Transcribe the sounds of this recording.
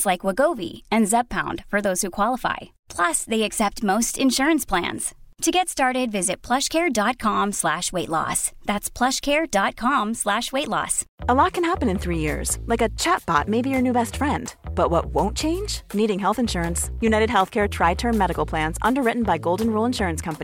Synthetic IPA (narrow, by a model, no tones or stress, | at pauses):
slaɪkwəɡoʊvḭɨ̃nzɛb̚pʰãʊ̃nd̥fə˞ðoʊz̥hʉkʰw̥ɑlˠəfa̰ɪ | pʰl̥ʌsðeɪɨksɛp̚t̚moʊstɨ̃nʃʊɹɨ̃nspʰl̥æ̰̃nz̥tʰɨɡɛtstɑɹɾɪdvɪzɨt̚pʰl̥ʌʃkʰɛɹdɑt̚kʰɑ̃mslæʃweɪʔˡlɔ̰sðætspʰl̥ʌʃkʰɛɹdɑt̚kʰɑ̃mslæʃweɪtˡlɔ̰səlɔt̚kʰɨ̃n̩hæpɨ̃nɨ̃nθɹijɪ̰ɹz̥laɪkɨt͡ʃʰæt̚b̥ɑ̰t̚meɪbijə˞nʉbɛstfɹɛ̃ndb̥ʌt̚wʌt̚wõʊ̃nt͡ʃʰẽɪ̃nd͡ʒniɾɪ̃ŋɦɛlˠθɨ̃nʃʊɹɨ̃nsjʉnaɪɾɨd̚ɦɛlˠθkʰɛɹtʰɹ̥aɪtʰɜ̃˞nmɛɾɨkl̩ˠpʰl̥æ̃nzʌ̃ndə˞ɹɪʔn̩baɪɡoʊlˠdⁿn̩ɹulˠə̃nʃʊɹɨ̃nskʰʌ̃mpəni